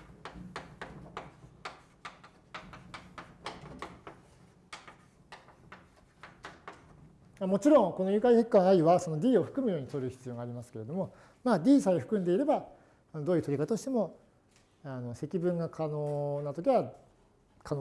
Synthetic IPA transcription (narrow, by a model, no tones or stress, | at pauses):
mamo̞t͡ɕiɾõ̞ŋko̞no̞jɯkaihekkːãaiβaso̞no̞d̪ʲiːo̞ɸɯ̟̥kɯ̟mɯ̟jo̞ːɲit̪o̞ɾɯ̟çi̥t͡sɨjo̞ːɡaːɾʲimasɨ̥ke̞ɾe̞d̪o̞mo̞ | maːd̪ʲiːsaioɸɯ̟kɯ̟̃nd̪e̞iɾe̞ba | anod̪oːjɯ̟t̪oɾikat̪aoɕi̥t̪e̞mo̞ | ano̞se̞kʲibɯ̟̃ŋɡakʰanoːnat̪o̞kʲiβa | kʰano